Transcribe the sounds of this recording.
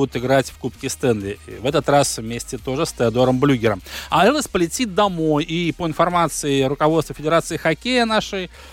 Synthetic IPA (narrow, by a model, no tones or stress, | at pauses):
d̪ʊt̪ɪɡɾatʲfkupkʲɪst̪ɛnlʲɪvɛt̪ət̪rasvmʲesʲtʲɪt̪o̞ʐɨst̪əɐd̪o̞ɾəmblʲuɡʲɪɾəmɐɛləsʲpəlʲɪtʲit̪̚d̪ɐmo̞jipəɪnfɐrmat̪sɨɪɾʊkɐvost̪vəfʲɪdʲɪɾat̪sɨɪxɐkʲejənaʂɨj